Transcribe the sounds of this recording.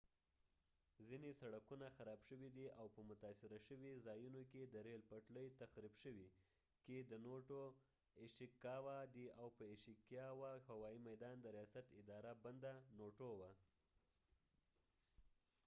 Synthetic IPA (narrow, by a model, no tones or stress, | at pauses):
zinesaɽakunaxaɾɑbʃəwid̪iʔawpəmʊt̪ɑsɪɾaʃəwizɑjunoked̪əɾelpaʈləjt̪axɾibʃəwi | ked̪ənoʈo | ɪʃɪkːɑwad̪iawpəɪʃɪkjɑwahawɑimajd̪ɑnd̪əɾijɑsat̪ɪd̪ɑɾaband̪anoʈowa